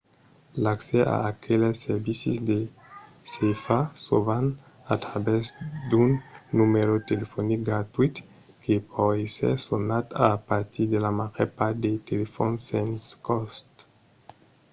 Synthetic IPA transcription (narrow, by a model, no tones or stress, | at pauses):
lakseʔa̰ːkʰeleseɾbisisd̪e | sefasovan | at̪ɾabɛzd̪unːumeɾot̪elefonik̚ɡɾat̪uit̪ | kepʰɔesḛɾsonat̪apaɾt̪id̪elamaʁeɾpaɾd̪et̪elefonsẽnskɔst̪